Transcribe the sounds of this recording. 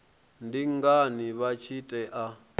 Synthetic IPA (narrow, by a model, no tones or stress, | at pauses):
ndiŋɡaniβat͡ʃʰitʼɛʔa